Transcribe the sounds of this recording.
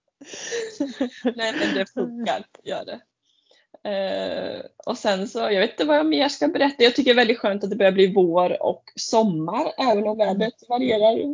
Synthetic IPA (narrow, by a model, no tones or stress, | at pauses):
nɛːmɛnd̪ɛfɵŋkːaɾjœ̰ːɖɛ | ɔsɛnsɔjɑɡveːt̪ɪnt̪əvajameːʂkabɛɾɛt̪ːajɑːɡt̪ʰʏkːəɾɛvɛld̪ɪt̪ɧøːnt̪at̪d̪ɛbœːɾjabliːvoːɾɔ̰ksɔmːaɾɛːvənɔmvæːbɾət̪vaɾɪeːɾaɾ